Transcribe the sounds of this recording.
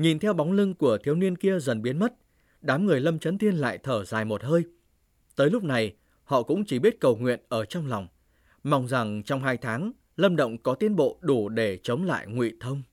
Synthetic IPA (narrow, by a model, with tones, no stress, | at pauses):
ɲi˨˩nt̪ʰɛ˧wɓa˨˦wŋ͡mlɨ˧ŋku˧˩ət̪ʰi˨˦wni˧ənki˧əzə˨˩nɓi˨˦ənmə˦˥t̚ | ɗaː˨˦mŋɨ˨˩əjlə˧mt͡ɕə˨˦nt̪ʰi˧ənla̰ː˧˨jt̪ʰəː˧˩zaː˨˩jmo˨˩t̚həː˧j | t̪əː˨˦jlʊ˦˥pk͡p̚na˨˩j | hɔ̰˧˨kʊ̰˧˥ŋ͡mt͡ɕi˧˩ɓi˦˥ət̚kə˨˩wŋwḭ˧˨ənʔəː˧˩t͡ɕɔ˧wŋ͡mla˨˩wŋ͡m | ma˧wŋ͡mza˨˩ŋt͡ɕɔ˧wŋ͡mɦaː˧jt̪ʰaː˨˦ŋ | lə˧mɗə̰˧˨wŋ͡mkɔ˨˦t̪i˨˦ənɓo̰˧˨ɗu˧˩ɗe˧˩t͡ɕə˨˦wŋ͡mla̰ː˧˨jŋwḭ˧˨t̪ʰə˧wŋ͡m